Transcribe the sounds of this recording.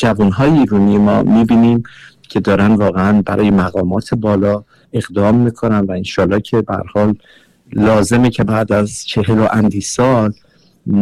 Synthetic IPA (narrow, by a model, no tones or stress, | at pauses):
d͡ʒævunɦɒːjeiːɾuːnijemɒ̰ːmiːbiːniːm | cʰe̞d̪ɒːɾænvɒːɣeænbæɾɒːje̞mæɣɒːmɒːt̪ʰebɒːlɒː | e̞ɣd̪ɒːmːikʰo̞nænvæenʃɒːlːɒːcʰe̞bæhæ̰ɾhɒːlː | ɒːze̞mecʰe̞bæːd̪æzt͡ʃʰe̞ɦeloʔænd̪iːsɒːl